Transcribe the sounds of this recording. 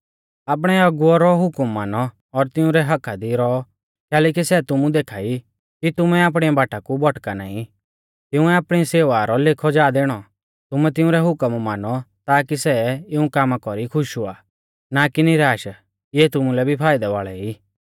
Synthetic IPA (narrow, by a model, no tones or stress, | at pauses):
aːp̬ɽ̃ɛɐɡʊɔɾɔɦʊkəmːaːnɔː | ɾt̪ɪʊ̃ɾɛɦɐkʰad̪iɾɔɔ | kɛːleːkisɛt̪ʊmũd̪eːkʰaːi | kit̪ʊmɛaːp̬ɽ̃iabaːʈakubʱɔʈkana̰ːĩ | t̪ɪʊ̃ɛaːpɽ̃iseːʋaɾɔlekʰɔd͡ʒaːd̪eːɽ̃ɔ | t̪ʊmɛt̪ɪ̃ʊ̃ɾɛɦʊkəmmaːnɔt̪aːkisɛɪũkaːmakɔɾikʰʊʃua̰ː | nakiniɾaːʃ | ɪɛt̪ʊmũlɛbʱipʰaːɪd̪ɛʋa̰ːɭɛiː